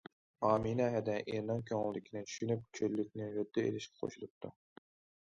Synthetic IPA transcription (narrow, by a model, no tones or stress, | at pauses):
ɑːminɛɦɛd̪ɛʔeɾnɨŋkʲʰøŋlˠd̪ɪkʲʰinɪt͡ʃʰy̥ʃynyp̚kʲʰølːyk̚ʲnɪɾʊd̪ːɨḛlɪʃkʲɛ̥qʰo̰ʃulˠup̚t̪ʰu